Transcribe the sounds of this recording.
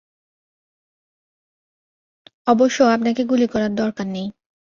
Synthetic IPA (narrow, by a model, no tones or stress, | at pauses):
ɔboʃːoapnakeɡulikɔɾaɾd̪ɔɾkaɾnej